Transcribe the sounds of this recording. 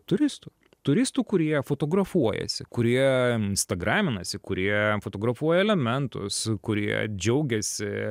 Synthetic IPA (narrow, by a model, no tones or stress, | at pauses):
t̪ʊɾʲɪst̪uː | t̪ʊɾʲɪst̪uːkʊɾʲiɛfot̪oːɡɾɐfuɔjɛ̰sʲɪkʊɾʲiɛɪnst̪ɐɡɾɑːmʲɪnɐsʲɪkʊɾʲiɛfoːt̪oːɡɾɐfuɔjɛɛlʲɛmʲɛnt̪ʊ̰skʊɾʲiɛ̰d͡ʒʲɛʊɡʲɛsʲɪ